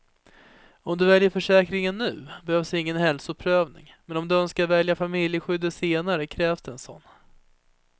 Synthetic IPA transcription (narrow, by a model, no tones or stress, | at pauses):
ɔmd̪ɵvɛljəɾfœʂɛːkɾɪŋənːʉ̟ːbɛhøːvsdɪŋːənhɛlsʊpʰɾøːvnɪ̰ŋ | mɛnɔmd̪ɵœnskaɾvɛljafamɪljəɧʏd̪ːəseːnaɾəkʰɾɛːvsd̪ɛnsɔ̰nː